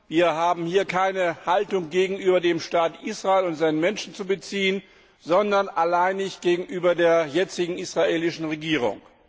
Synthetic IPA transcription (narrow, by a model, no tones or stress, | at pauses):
viːɐɦaːbm̩hiːɐkʰaɪnəhaltʊŋɡeːɡŋ̩ʔyːbɐdeːmʃtaːtʔiːsʁ̥aeːlʊntz̥aɪnənmɛnʃn̩t͡subət͡siːən | zɔndɐnʔalaɪnːɪçt̚ɡ̥eːɡŋ̩ʔyːbɐdeːɐjɛt͡sɪɡŋ̩isʁ̥aʔeːlɪʃn̩ʁeɡiːʁ̞ʊ̰ŋ